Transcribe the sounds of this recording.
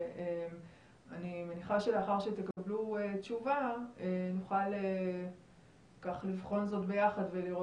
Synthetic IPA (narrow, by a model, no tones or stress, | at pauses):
ʔem | animeniχaʃe̞le̞aχaʁʃet̪e̞kabluet͡ʃuvaenuχale | kaχlivχo̞nzo̞tbe̞jaχadve̞liʁo